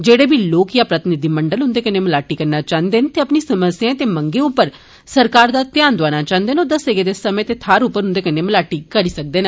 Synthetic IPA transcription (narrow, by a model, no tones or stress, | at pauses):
d͡ʒeːɽeːbiːloːkjaːpɾət̪ɪnɪd̪iːməɳɖəlɦʊ̃nd̪eːkəneːməlaːʈiːkəɾnaːt͡ʃãːnd̪eːnt̪eːəpniːsəməsɪjãːt̪eːməŋɡeːʊpːəɾ | səɾkaːɾd̪aːt̪ɪjaːnd̪ʊaːnaːt͡ʃãːnd̪eːnoːd̪əseːɡeːd̪eːsəmẽːt̪eːt̪ʰaːɾʊpːəɾɦʊ̃nd̪eːkəneːməlaːʈiːkəɾiːsək̚d̪eːn